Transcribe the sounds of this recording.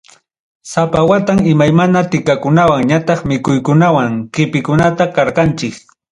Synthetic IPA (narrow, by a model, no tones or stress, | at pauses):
sapawat̪aŋɪmajmanat̪ɪkakʊnawaŋɲat̪ɑχmɪkʊjkʊnawaŋkɪpɪkʊnat̪akɑɾqɑnt͡ʃɪk